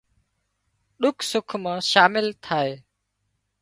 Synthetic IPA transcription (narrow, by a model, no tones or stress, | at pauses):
ɗʊkʰsʊkʰmãːʃaːmɪlt̪ʰaːeː